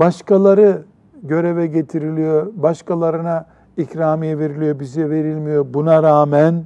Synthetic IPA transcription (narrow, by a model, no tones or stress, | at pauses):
baʃkalˠaɾɯ | ɟø̞ɾevɛɟe̞t̪ʰiɾilʲijo̞baʃkalˠaɾɯna | icɾaːmijɛve̞ɾilʲijo̞bizɛve̞ɾilʲmijo̞bunaɾaːmæn